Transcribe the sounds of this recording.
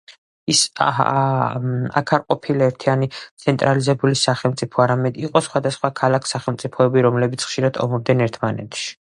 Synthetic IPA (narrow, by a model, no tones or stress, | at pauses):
is | a̰kʰaɾqʼɔpʰilaɛɾt̪ʰianit̪sʰɛnt̪ʼɾalizɛbulisaχɛlˠmt̪sʼipʰɔaɾamɛd̪iqʼɔsχwad̪asχwakʰalakʰsaχɛlˠmt̪sʼipʰɔɛbiɾɔmlɛbit̪sʰχʃiɾad̪ɔ̰mɔb̚d̪ɛnɛɾt̪ʰmanɛ̰t̪ʰʃi̥